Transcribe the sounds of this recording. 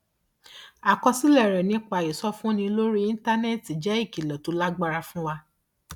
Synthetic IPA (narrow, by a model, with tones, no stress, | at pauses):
a˨kɔ˧si˦lɛ˦˨ɾɛ˨nĩ˧˦k͡pa˧˨i˨sɔ˦fũ˦nĩ˧lo˦ɾi˦ĩ˦n˦ta˦nɛ˦˨ti˨d͡ʒɛ˦i˦˨ki˨lɔ˨to˨˦la˦ɡ͡ba˦ɾa˧fũ˦wa˧